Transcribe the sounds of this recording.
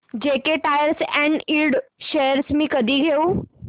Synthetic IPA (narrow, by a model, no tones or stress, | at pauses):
d͡ʑekeʈajəɾsɛ̃ɳɖilɖɕeəɾsmiːkəd̪ʱiːɡʱeu